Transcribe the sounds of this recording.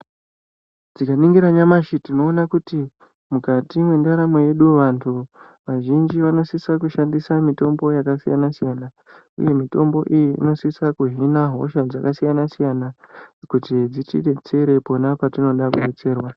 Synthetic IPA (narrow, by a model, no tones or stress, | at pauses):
d͡zikaniŋɡiɾaɲamaʃitino̞ːnakuti | mukatimwe̞ndaɾamweje̞ɗuoʋantʰu | ʋaʒind͡ʒiʋano̞sisakuʃandisamito̞mbo̞jakasija̰nasijana | ṵje̞mito̞mbo̞ʔijḭːno̞sisakuɦinaɦo̞̰ʃad͡zakasijanasijanakutid͡zitḭɗe̞t͡se̞ɾe̞po̞napatino̞ɗakuɗet͡se̞ːrwa